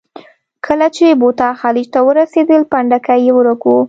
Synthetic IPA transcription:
kʰəlat͡ʃebot̪ɑxɑlɪd͡ʒt̪awəɾased̪əlpaɳɖakajewəɾəku

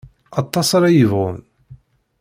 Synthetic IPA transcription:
ɑt̪ˤːɑsˤɑɾæjəvʁʊn

